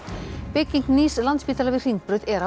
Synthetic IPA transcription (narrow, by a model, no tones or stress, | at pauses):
pɪciŋkniːslant̪spiːt̪alavɪ̥r̥iŋk̪̚pɾʏðɛɾa